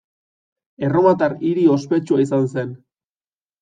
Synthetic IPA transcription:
e̞ro̞mat̪ariɾio̞spe̞t͡ʃuais̬anse̞n

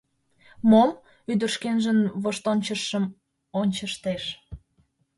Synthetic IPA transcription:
mol | yd̪ərʃkenʒənβoʃt̪onʲt͡ɕəʃəm | onʲt͡ɕəʃt̪eʃ

